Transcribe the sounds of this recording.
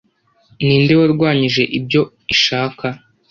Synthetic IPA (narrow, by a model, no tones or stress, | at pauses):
niːnde̞waɾɡwaːɲiʒe̞ʔib̚jo̞ | iʃaːka